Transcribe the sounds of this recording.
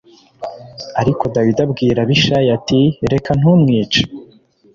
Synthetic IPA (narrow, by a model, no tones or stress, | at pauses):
aɾikʰo̞dawidabɡiːɾaβiʃajatiɾe̞kan̥umŋiːt͡ʃe̥